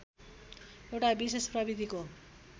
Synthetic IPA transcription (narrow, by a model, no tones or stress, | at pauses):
ewʈabisesprʌbid̪ʱiko